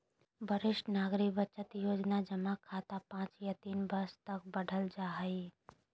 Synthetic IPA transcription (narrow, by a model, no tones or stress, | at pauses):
bʱəɾɪʃʈnaːɡɾɪkbət͡ʃət̪joːd͡ʒnad͡ʒəmakʰaːt̪apãːt͡ʃjat̪iːnbəst̪ɐk̚bəɖʱəld͡ʒaːɦi